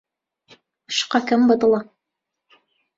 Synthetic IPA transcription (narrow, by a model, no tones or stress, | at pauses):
ɤ̥̆ʃqɑkɘmbɤ̆t̪ɤ̆lˠɑ